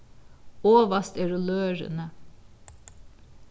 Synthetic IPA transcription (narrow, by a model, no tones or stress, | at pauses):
oːʋɑst̪ɛɾʊløːɾə̰nə